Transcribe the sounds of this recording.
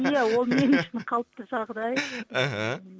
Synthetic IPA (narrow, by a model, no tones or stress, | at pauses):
jæwo̞lˠme̞nʏʃɪnqʰɑlˠəp̚t̪əʒɑʁd̪ɑjaɦa